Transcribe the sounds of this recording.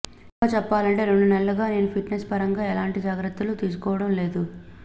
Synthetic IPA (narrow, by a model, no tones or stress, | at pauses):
aːt͡ʃɛpːaːlɐɳʈe̞ːɾeɳɖunɛlːɐɡaːne̞ːnupʰiʈnespɐɾɐŋɡaːɛlaːɳʈid͡ʒaːɡɾɐt̪ːulut̪iːs̬u̥kɔːʋɐɽɐmle̞ːd̪u